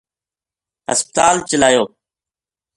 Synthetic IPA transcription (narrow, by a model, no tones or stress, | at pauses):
ɦə̰spət̪aːlt͡ʃəlaːjoː